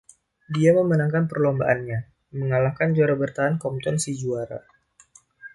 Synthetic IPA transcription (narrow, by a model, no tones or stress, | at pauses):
diaməmənaŋkanpərlombaʔanɲa | məŋalahkand͡ʒuaɾabərt̪aankɔmt̪ɔnsid͡ʒuaɾa̰